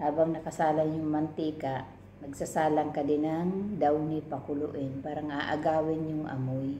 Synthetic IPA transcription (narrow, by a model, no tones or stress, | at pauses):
haːbaŋnɐkɐsaːlanjʊŋmɐnt̪iːkaʔ | nɐɡsasaːlaŋkɐd̪ɪnaŋd̪awnipɐkʊlʊʔɪnpaːɾɐŋaʔa̰ɡaːwɪnjʊŋʔɐ̰moj